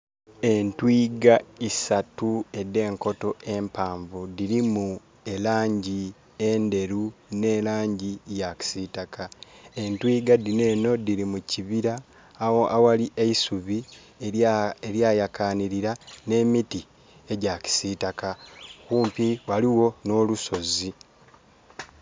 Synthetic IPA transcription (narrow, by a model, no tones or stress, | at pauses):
e̞ntwiːɡaisatue̞de̞ːŋko̞to̞e̞mpaːɱvudiɾimu | e̞laːɲɟi | e̞nde̞ɾune̞ːlaːɲɟijaci̥sitakae̞ntwiːɡadine̞ːno̞diɾimuciβiɾa | awaliʔeisuβi | eɾjaːjakaːniɾiɾane̞miti | e̞ɟaci̥sitakakuːmpiwaliwo̞no̞luso̞zi